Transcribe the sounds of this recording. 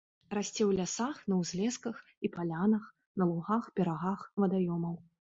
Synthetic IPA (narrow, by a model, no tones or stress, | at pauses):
rasʲt͡sʲɛwlʲasaxnɐwzʲlʲɛskɐx | ipalʲanɐx | nɐlˠuɣaxpʲɛɾaɣaxvɐd̪ajɔmɐw